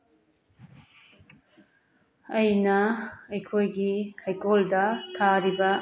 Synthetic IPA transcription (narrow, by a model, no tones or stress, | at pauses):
ɐjnɐɐjkʰojɡihajkoldɐtʰaɾibɐ